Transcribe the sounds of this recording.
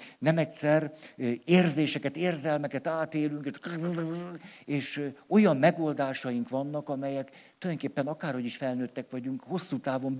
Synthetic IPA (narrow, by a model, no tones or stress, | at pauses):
nɛmɛcsɛreːrzeːʃɛkɛt̪eːrzɛlmɛkɛt̪aːt̪eːlyŋkeʃ | eːʃo̞jɒmːɛɡold̪aːʃɒjiŋkʋɒnːɒkɒmɛjɛk | t̪olŋkeːpːɛnɒkaːrho̞ɟiʃfɛlnøːt̪ːɛkʋɒɟuŋkho̞sːuːt̪aːvo̞m